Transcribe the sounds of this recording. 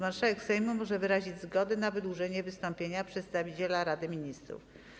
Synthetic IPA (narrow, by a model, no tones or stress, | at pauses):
maɾʂawɛkfsɛjmumɔʐɛvɘɾaʑid͡ʑzɡɔd̪ɛnavɘd̪wuʐɛɲɛvɘst̪ɔmpʲjeɲapʂɛt̪st̪avʲit͡ɕelaɾad̪ɘmʲiɲist̪ɾṵf